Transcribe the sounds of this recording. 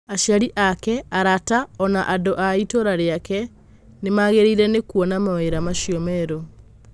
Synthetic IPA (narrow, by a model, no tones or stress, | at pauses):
aʃjaɾiʔakɛaɾataɔnaʔadoʔaitoɾaɾeakɛ | nemaɣeɾeiɾɛnekuɔnamaweɾamaʃiɔmɛɾo